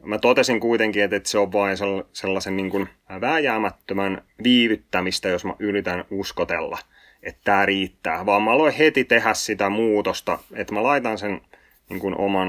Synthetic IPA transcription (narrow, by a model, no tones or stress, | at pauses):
mæt̪ot̪esiŋkuit̪eŋkiet̪et̪seoʋʋɑinselːselːɑsenniːŋkun | ʋæːjæːmæt̪ːømæn | ʋiːʋyt̪ːæmist̪æjosmæ̰ʔyrit̪ænuskot̪elːɑ̰ | et̪tæːriːt̪ːæːʋɑːmmɑloihet̪it̪ehæssit̪æmuːt̪ost̪ɑ̰et̪mælɑit̪ɑnsen | niːŋkunʔo̰mɑn